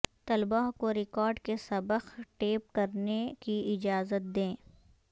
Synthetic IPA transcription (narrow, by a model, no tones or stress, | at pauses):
t̪ɐlbaːɦkoɾɪkɔːɾɖkesɐbəxʈeːp̚kɐɾnekiɪd͡ʒaːzət̪̚d̪ẽː